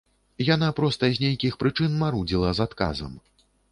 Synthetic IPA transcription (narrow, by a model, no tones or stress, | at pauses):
janapɾɔst̪ɐzʲnʲejkʲixpɾɨt͡ʂɨnmaɾud͡zʲilˠɐzat̪ka̰zɐ̰m